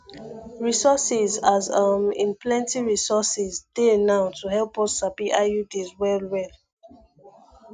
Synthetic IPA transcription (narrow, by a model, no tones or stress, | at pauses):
ɹisɔsizazʌmḭ̃nplɛ̃ntiɹisɔsizd̥enaʊtʰuɦɛlpɔsapiʔajudizwɛlwɛl